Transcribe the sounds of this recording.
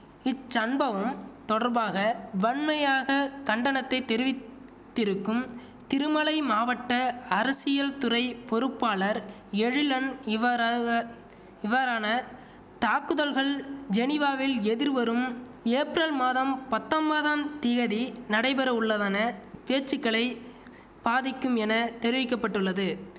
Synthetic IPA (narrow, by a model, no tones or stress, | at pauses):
ɪt͡ʃːɐnbɐʋɯmt̪ɔɽɐɾbaːɣɐʋɐɳmɐjaːɣɐkɐɳɖɐnɐt̪ːɐɪt̪ːɛɾɪʋɪ | t̪ːɪɾɯkːɯm | t̪ɪɾɯmɐɭɐɪmaːʋɐʈːɐɐɾɐsɪjɐlt̪ʊɾɐɪpɔɾɯpːaːɭɐɾ | ɛɻɪlɐnɪʋɐ | ɪʋɐɾaːnɐ | t̪aːkːɯðɐlɣɐɭd͡ʒɛnɪʋaːʋɪlɛðɪɾʋɐɾɯm | eːpɪɾɐlmaːðɐmpɐt̪ːɐmbɐðamt̪ɪɣɐðinɐɽɐɪbɛɾɐʊɭːɐðaːnɐpeːt͡ʃːɪkːɐɭɐɪ | b̥aːðɪkːɯmɛnɐt̪ɛɾɪʋɪkːɐpːɐʈːɯɭːɐðɯ